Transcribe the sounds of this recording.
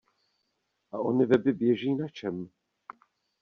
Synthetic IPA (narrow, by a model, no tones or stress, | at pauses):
aonɪvɛbɪbjɛʒinat͡ʃɛm